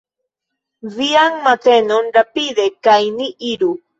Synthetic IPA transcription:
viaŋmat̪enonɾapid̪ekajniʔiɾu

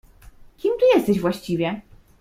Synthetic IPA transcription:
kʲimt̪ujɛst̪ɛɕvwaɕt͡ɕivʲjɛ

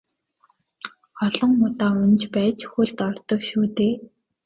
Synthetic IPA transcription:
ɔɮɞ̆ŋʊt̪aːʊnt͡ɕpæːt͡ɕxuɮt̪ɔrt̪ɞ̆kʃuːt̪eː

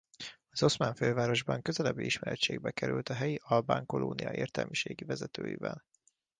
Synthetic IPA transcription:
ɒz̥o̞smaːɱføːvaːɾo̞ʒbɒŋkø̞zɛlɛbːiiʃmɛɾɛt̪t͡ʃːeːɡbɛkɛɾylt̪ɒɦɛjiʔɒlbaːŋko̞loːnijɒeːrt̪ɛ̰lmiʃeːɡivɛzɛt̪ø̰ːjivɛl

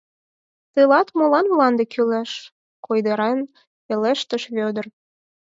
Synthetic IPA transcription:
t̪elɑt̪molɑnβlɑnd̪ekylæʃ | kojd̪eɾen | peleʃt̪ə̆ʃβød̪ər

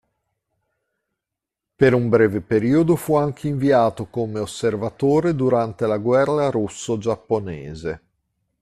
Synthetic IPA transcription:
peɾumbɾɛːvepeɾiːod̪ofuaŋk̟ʰeiɱviaːt̪okomeosːervat̪oːɾed̪uɾant̪elaɡwɛrːaɾusːod͡ʒapːonɛːze

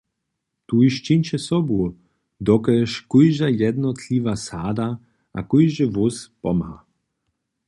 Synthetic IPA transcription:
t̪uiʃt͡ʃinʲt͡ɕɛsɔbu | d̪ɔkɛʃkujʒajɛd̪nɔt̪lʲivasaːd̪a | ʔa̰kujʒɛvuspɔmha

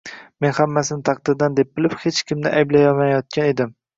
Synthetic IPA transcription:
me̞nhamːasɪnɪt̪ʰɑqd̪ɪɾd̪and̪e̞p̚bɪlɪphet͡ʃkʲɪmnɪʔajblajɒmajɒt̪̚kʲʰane̞d̪ɪm

